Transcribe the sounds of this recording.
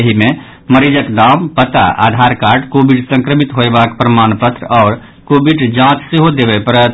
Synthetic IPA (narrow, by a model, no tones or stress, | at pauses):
əɦime | məɾid͡ʒəkɖampət̪a̰ʔa̰d̪ʱaɾkaɾɖkobiɖsə̃ŋkɾəmit̪ɦoebakpɾəmanpət̪ɾɔːɾ | kobiɖd͡ʒãt͡ʃseɦod̪ebɛpəɾət̪